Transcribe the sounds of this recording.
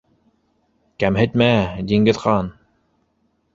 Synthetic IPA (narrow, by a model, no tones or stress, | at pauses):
kæmɦɘ̆t̪̚mæd̪ʲiŋɡɘ̆ðqɑn